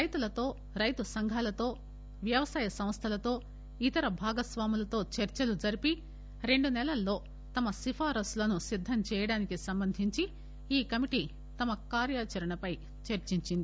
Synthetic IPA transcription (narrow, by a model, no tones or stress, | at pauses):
ɾɐjt̪ulɐt̪o̞ː | ɾɐjt̪usɐŋɡʱaːlɐt̪o̞ː | ʋjɐʋɐsaːjɐsɐmst̪ʰɐlɐt̪o̞ː | it̪ɐɾɐbʱaːɡɐsʋaːmulɐt̪o̞ːt͡ʃɐɾt͡ʃɐlud͡ʒɐɾipi | ɾe̞ɳɖunɛlɐlːo̞ː | t̪ɐmɐsipʰaːɾɐsloːnusid̪ʱːɐmt͡ʃɛːjɐɽaːnikisɐmbɐnd̪ʱiɲt͡ʃi | iːkɐmiʈi | t̪ɐmɐkaːɾjaːt͡ʃɐɾɐɳɐpɐj | t͡ʃɐɾt͡ʃiɲt͡ʃind̪i